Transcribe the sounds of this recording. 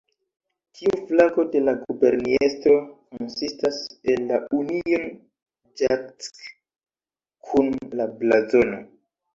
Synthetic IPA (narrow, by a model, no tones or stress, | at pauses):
tʰiuflaɡo̞de̞laɡube̞ɾniestɾo̞konsistase̞nːaunion | d͡ʒat͡s | kʰunlablazo̞no